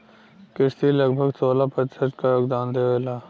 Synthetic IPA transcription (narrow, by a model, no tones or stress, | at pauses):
kɪʃt̪iləɡbʱəɡsoːlapət͡ʃsəʈkajoːɡd̪aːnd̪eʋeːlaː